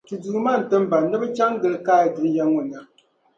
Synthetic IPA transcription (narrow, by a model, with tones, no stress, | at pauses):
tu˨du˨ma˦˨n̩˨tɨ˦m˦ba˨nɨ˦bɨ˦t͡ʃa˦ŋ˦ɡɨ˨lkaː˦˨dɨ˨n˦ja˦ŋɔ˨na˨